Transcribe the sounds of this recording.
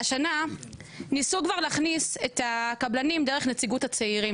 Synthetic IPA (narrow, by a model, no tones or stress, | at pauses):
aʃana | nisukvaʁleːχnise̞takablanimdeʁeχne̞t͡siɡuthat͡seiʁim